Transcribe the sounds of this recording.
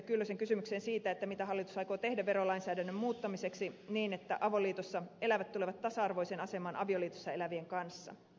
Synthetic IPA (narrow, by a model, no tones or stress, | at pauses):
kylːøseŋkysymykseːnsiːt̪æet̪ːæmit̪æɦɑlːit̪u̥sɑjko̞ːt̪e̞hdæʋe̞ɾo̞lɑinsæːdænːømmuːt̪ːɑmise̞ksiniːne̞t̪ːæʔɑʋo̞liːt̪osːɑe̞læʋæt̪t̪ːule̞ʋɑt̪t̪ːɑsɑɑrʋo̞jsenɑse̞mɑːnʔɑ̰ʋio̞liːt̪osːɑe̞læʋieŋkɑnsːɑ̰